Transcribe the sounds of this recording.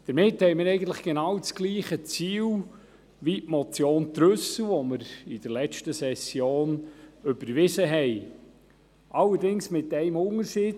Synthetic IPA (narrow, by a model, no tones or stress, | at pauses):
d̪̥əɾmɪthɛɪmɪɾɛɪɡən̩t̪ləχɡ̥enɑwt͡sɡ̥liːχət͡siːw | ʋitmɔt͡sjoːnt̪ɾɵsəʋɔməɾɪd̥əɾlɛt͡ʃtəsɛsjoːnʏbəɾʋɪsəɦɛɪ | ʔɑlːəɾdɪŋsmɪtɛɪmʊŋəɾsɪ